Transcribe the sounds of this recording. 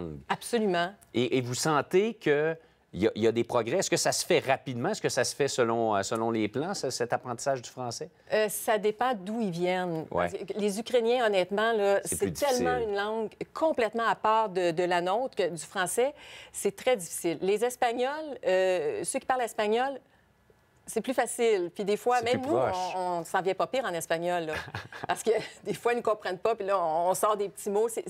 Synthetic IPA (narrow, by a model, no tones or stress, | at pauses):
ɡabsolymɑ̃ | eʔːvusɑ̃ːt̪ekʲʰə | jaʔijad̪epʁɔɡʁɛɛskəsasə̥fɛʁapid̪mãɛskəsasə̥fɛsəlɔ̃səlɔ̃leplãsɛsɛt̪apʁɑ̃t̪i̥saːʒd̪y̥fʁɑ̃ːsɛ | sad̪epɑ̃d̪uilvjɛnwaɛ̰slezykʲʁenjɛ̃ɔnɛːt̪mɑ̃lʌseyit̪ɛlsmɑ̃ynlɑ̃ɡkʰɔ̃plɛt̪mɑ̃apaːʁd̪əd̪əlanɔ̃t̪kəd͡z̪yfʁɑ̃sɛsɛt̪ʁɛd͡z̪ifi̥sɪlːezɛspaɲɔløsøkʲi̥paʁlɛspaɲɔl | sɛplyfasɪlpɥid̪efwamɛ̃mnũɔ̃nsɑ̃vjɛ̃pʌpiːʁɑ̃nɛspaɲɔlːɔpaʁsə̥kəd̪efwanukɔ̃pʁɛ̃npɔpilʌɔ̃ːsɑːʁd̪epət͡simose